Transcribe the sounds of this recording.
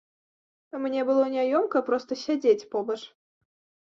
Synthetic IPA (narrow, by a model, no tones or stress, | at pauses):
mnʲɛbɨlˠɔnʲajɔmkɐpɾɔst̪əsʲad͡zʲet͡sʲpɔbɐʂ